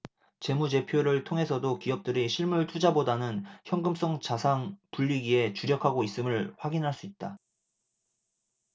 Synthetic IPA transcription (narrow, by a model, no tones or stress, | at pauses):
t͡ɕe̞mud͡ʑe̞pʰjoɾɯɭtʰoŋɦe̞sʰʌdokiʌp̚t͈ɯɾiɕʰiɭmuɭtʰud͡ʑabodanɯnçjʌŋɡɯms͈ʌŋt͡ɕasʰaŋpuʎːiɡie̞t͡ɕuɾjʌkʰaɡois͈ɯmɯɭɸwaɡinɦaɭs͈uit̚t͈a